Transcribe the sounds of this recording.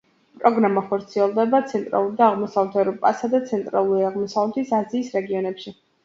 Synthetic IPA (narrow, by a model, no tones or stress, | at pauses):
pʼɾɔɡɾamaχɔɾt̪sʰiɛlˠd̪ɛbat̪sʰɛnt̪ʼɾa̰lˠuɾid̪aːʁmɔsavlɛt̪ʰɛɾɔpʼa̰sad̪at̪sʰɛnt̪ʼɾa̰lˠuɾiaʁmɔsavlɛt̪ʰisaziːsɾɛɡiɔnɛpʃi